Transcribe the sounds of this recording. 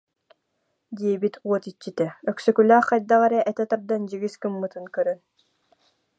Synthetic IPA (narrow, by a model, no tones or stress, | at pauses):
d̪iɛbit̪ʰuɔt̪it͡ɕːit̪ɛœksœkylæːχqɑjd̪aʁɛɾɛʔɛt̪ɛt̪ap̚d̪and͡ʑiɡiskɯmːɯt̪ɯnkœɾœn